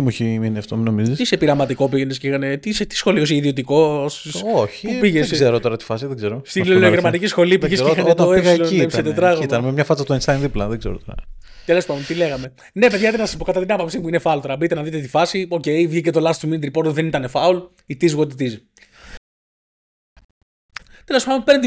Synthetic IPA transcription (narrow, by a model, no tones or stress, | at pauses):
t̪imuçiminiɐft̪ominomizist̪isepiɾɐmɐt̪iko̞piʝenes̬kixɐnet̪iset̪i̥sxo̞lios̬eiðio̞t̪iko̞ssoçipupiʝeszeɾot̪oɾɐt̪i̥fɐsiðeɡzeɾost̪inloeɾmɐt̪ikcisxo̞lipuʝesixɐt̪ɐoekɣɐsloiepsset̪et̪ɾɐɣɐnmemɲɐfɐt͡sɐt̪oenst̪ɐjnðiplɐðeɡzeɾot̪oɾɐ | t̪elo̞spɐnd̪ont̪ile̞ɣɐme | ne̞pe̞ðʝɐt̪eɾnɐspo̞kɐt̪ɐt̪inɐpɐpsimuinefɐult̪oɾɐbit̪enɐðit̪et̪ifɐsio̞ce̞jvʝicet̪olɐst̪uminit̪ɾipo̞ɾt̪ðenit̪ɐnefɐul | it̪izɣot̪it̪iz | t̪e̞lospɐd̪onpent̪